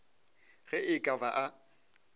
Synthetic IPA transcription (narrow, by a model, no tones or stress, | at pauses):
ɣɛɪkʼavaʔa